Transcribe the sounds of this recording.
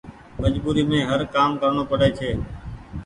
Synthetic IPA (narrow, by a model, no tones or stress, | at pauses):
məd͡ʒbuːɾiːmẽːɦəɾkaːmkəɾɳoːpəɽeːt͡ʃʰeː